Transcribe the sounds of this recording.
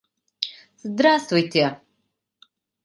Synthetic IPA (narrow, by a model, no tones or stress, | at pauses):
zd̪ɾast̪vujt̪ʰe